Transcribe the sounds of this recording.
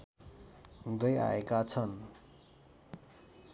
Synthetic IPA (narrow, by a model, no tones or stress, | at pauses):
ɦud̪ʌja̰ekat͡sʰʌn